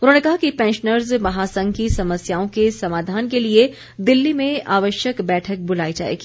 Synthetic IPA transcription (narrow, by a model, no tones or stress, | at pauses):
ʊnɦõnekɐɦakipɛ̃ːnʃnəɾzmɐɦaːsɐ̃ŋɡkisɐməsjaːõkesɐmaːd̪ʱaːnkelie | d̪ɪlːimẽaːʋəʃjəkbɛːʈʰək̚bʊlaːid͡ʒa̰ːḛːɡi